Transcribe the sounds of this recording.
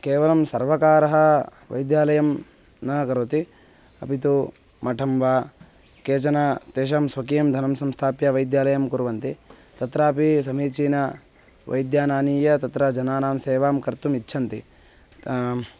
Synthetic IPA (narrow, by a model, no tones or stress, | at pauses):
keːʋɐlɐmsɐɾʋɐkaːɾɐɦɐ | ʋɐ̰jd̪jaːlɐjɐm | nɐkɐɾot̪i | ɐpit̪u | mɐʈʰɐmʋaː | keːt͡ʃɐnɐt̪eːʃ̬aːmsʋɐkiːɐmd̪ʱɐnɐmsɐmst̪ʰaːpjɐʋɐjd̪jaːlɐjɐmkuɾʋɐnt̪i | t̪ɐt̪ɾaːpisɐmiːt͡ʃiːnɐ | ʋʔɐ̰jd̪jaːnaːniːjɐt̪ɐt̪ɾɐd͡ʒɐnaːnaːmseːʋaːmkɐɾt̪umitːt͡ʃʰɐnt̪i